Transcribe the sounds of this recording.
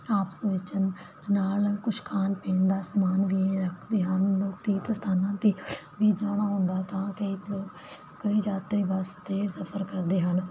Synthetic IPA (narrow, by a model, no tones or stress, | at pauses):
aːpə̥sʋɪt͡ʃən | naːlkʊʃkʰaːnpẽːnd̪aːsəmaːnʋiːɾəkʰd̪eːɦənloːkt̪iːt̪st̪ʰaːnãːt̪iːʋiːd͡ʒaːɽ̃aːɦõnd̪aːt̪ãːkəiːloːkː | əiːd͡ʒaːt̪ɾiːbəst̪esəpʰəɾkəɾd̪eːɦən